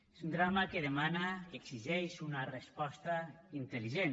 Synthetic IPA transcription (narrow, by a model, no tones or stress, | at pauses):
ezund̪ɾamakeðemanakeɡsiʒɛjsunarespɔst̪aint̪eliʒen